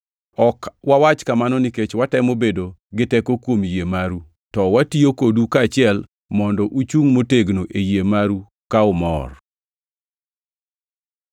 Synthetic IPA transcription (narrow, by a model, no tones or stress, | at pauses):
ɔkwawat͡ʃkamanɔniket͡ʃwatɛmobedoɡɪtɛkokwomjemaɾu | tɔwatiokodukaːt͡ʃɪɛl | mɔndɔʔut͡ʃuŋmoteɡnoʔejemaɾu | kaʊmɔ̰r